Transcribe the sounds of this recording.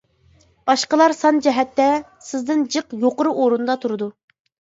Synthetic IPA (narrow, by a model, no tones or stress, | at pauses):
bɑʃqəlˠɑɾsɑnd͡ʒɛɦɛt̪ːɛ | sɪzd̪ɪnd͡ʒəqjoqʊɾɨʔoɾunɨd̪ɑt̪ʰuɾɨd̪u